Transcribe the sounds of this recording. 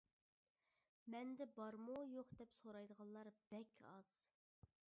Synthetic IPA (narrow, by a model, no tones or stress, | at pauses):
mɛnd̪ɛbɑɾmujoqd̪ɛpsoɾɑjd̪əʁɑllˠɑɾb̥ɛkʲʰɑz̥